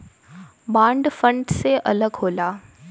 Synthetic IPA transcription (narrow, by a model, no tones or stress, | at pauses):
bãːɳɖfə̃ɳɖseʔɐləɡɦoːlaː